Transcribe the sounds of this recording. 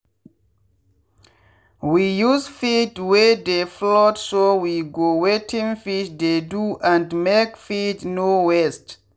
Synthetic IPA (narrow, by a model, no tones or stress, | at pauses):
wijuzfitwedeflɔtsowiɡowetʰĩŋfiʃd̪eduʔãndmekfitnowɛst